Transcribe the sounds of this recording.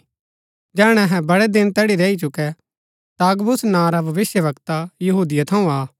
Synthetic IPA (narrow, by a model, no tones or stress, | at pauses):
d͡ʒɛːɽ̃ɛɦɛ̃bɐɽɛd̪ɪnt̪ɛːɽiɾɛːit͡ʃʊkɛ | t̪aɡbʊsnãːɾabʱɐʋɪsjəʋɐkt̪ajɐɦuːd̪ɪjat̪ʰɐũaː